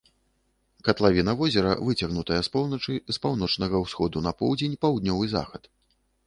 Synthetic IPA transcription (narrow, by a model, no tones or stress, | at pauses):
kɐt̪lˠavʲinɐvɔzʲɛɾɐ̰vɨt͡sʲɐɣnut̪ɐjɐspɔwnɐt͡ʂɨspawn̪ɔt͡ʂnɐɣɐwsxɔd̪unɐpɔwd͡zʲenʲpawd̪nʲɔvɨza̰xɐt̪